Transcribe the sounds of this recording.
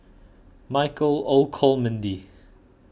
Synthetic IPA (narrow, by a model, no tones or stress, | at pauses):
majkəlolkʰɔlmə̃ndi